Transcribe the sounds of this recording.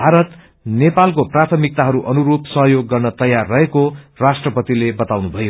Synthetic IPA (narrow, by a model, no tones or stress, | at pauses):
bʱaɾʌt̪ | nepalkoprat̪ʰʌmik̚t̪aɦʌɾuʔʌnuɾupsʌɦjoɡːʌrnʌt̪ʌjarːʌɦekorasʈrʌpʌt̪ilebʌt̪awnubʱʌjo